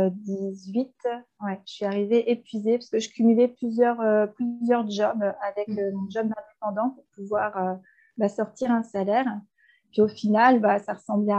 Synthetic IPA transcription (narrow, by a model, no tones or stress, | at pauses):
d̪izɥit̪wɛʒəsɥiaʁiveʔepɥizepḁsəkəʒəkʲʰymylɛplyzjœʁøplyzjœʁʒɔbavɛkømɔ̃ʒɔbd̪ɛ̃d̪epɑ̃d̪ɑ̃puʁpuvwaʁø | basɔʁt̪iʁɛ̃salɛʁ | piofinalbasaʁəsɑ̃blɛ